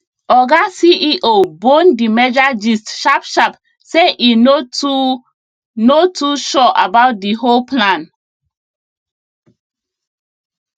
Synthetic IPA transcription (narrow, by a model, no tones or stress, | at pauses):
ɔɡasiʔiʔobõndimɛd͡ʒad͡ʒistʃapʃap | seʔinou | notʰuʃɔʔabawt̚diɦolplãn